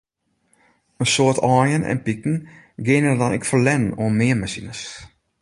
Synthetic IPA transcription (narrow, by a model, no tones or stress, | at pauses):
ənsoərtʰɔːjənɛ̰npikŋ̩ | ɡɪnədɔnɛ̰kfərlɛnoənmɪəmasinəs